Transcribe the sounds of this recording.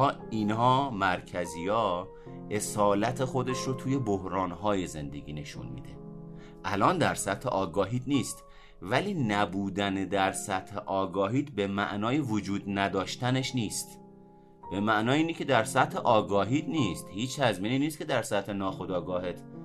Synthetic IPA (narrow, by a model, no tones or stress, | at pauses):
ɒːinhɒːmæɾcʰæzijɒː | e̞sɒːlæt̪ʰe̞xo̞d̪e̞ʃɾot̪ʰuːje̞bohɾɒːnɦɒːjeze̞nd̪e̞̰ɟʲḭːne̞ʃṵnmḭd̪e | ʔælɒːnd̪æɾsæt̪hḛʔɒːɡɒːɦiːt̪niːst̪ | væliːnæbuːd̪æned̪æɾsæt̪heʔɒːɡɒːɦiːt̪be̞mæ̰ʔnɒːjevod͡ʒuːd̪næd̪ɒːʃt̪æneʃniːst̪ | b̥e̞mæʔnɒːjiːnicʰe̞d̪æɾsæt̪heʔɒːɡɒːɦiːt̪niːst̪hiːt͡ʃh̪æzmiːniːniːst̪kʰʲe̞d̪æɾsæt̪henɒːxod̪ɒːɡɒːɦet̪